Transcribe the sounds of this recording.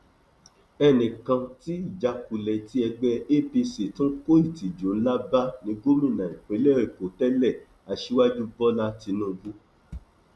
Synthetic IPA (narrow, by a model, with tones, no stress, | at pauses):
ɛ˧nĩ˨kã˧ti˦i˦˨d͡ʒa˨˦ku˨lɛ˨ti˦ɛ˧ɡ͡bɛ˧e˦˨pi˧se˨tũ˦ko˦i˦˨ti˨d͡ʒo˨˦n̩˦la˦ba˦nĩ˧˦ɡo˦mĩ˦˨nã˨ĩ˨k͡pe˨˦le˦˨ɾi˨ko˨tɛ˦lɛ˦˨ | a˨ʃi˦wa˦d͡ʒu˦bɔ˦la˦ti˧˦nũ˦˧ɡũ˦